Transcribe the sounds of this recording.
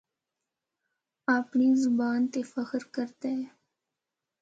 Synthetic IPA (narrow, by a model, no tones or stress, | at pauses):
apɳizʊbɑːnt̪efaxɾkəɾt̪e